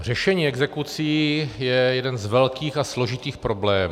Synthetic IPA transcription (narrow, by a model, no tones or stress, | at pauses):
r̝ɛʃɛɲiːɛɡzɛkut͡siːjɛjɛdɛnzvɛlkiːxaslo̞ʒɪt̪iːxpɾo̞blɛːm